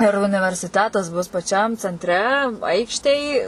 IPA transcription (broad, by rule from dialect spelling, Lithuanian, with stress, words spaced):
ɪr ʊnʲɪʋʲɛrʲsʲɪˈtʲæːtɐs bʊs pɐˈt͡ʃʲɛm t͡sʲɛnʲˈtʲrʲɛ ˈɐɪkʃʲtʲeːj